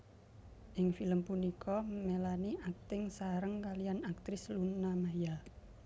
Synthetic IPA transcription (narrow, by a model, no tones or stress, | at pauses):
ʔɪŋfiləmpunikʰɔmelaniʔak̚t̪ɪŋsaɾəŋkalijanak̚t̪ɾɪslunːamajal